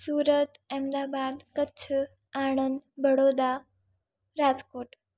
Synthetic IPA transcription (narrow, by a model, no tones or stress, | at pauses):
suːɾət̪ɛ̃md̪aːbad̪kətːt͡ʃʰ | aːɳ̃ənd̪bʱəɽod̪a | ɾaːd͡zkoːʈ